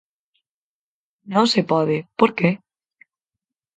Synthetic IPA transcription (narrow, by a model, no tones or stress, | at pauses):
nõsepɔðepoɾke